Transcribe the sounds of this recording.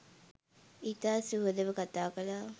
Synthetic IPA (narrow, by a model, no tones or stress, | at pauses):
it̪aːsuɦəd̪əʋəkat̪aːkəlaː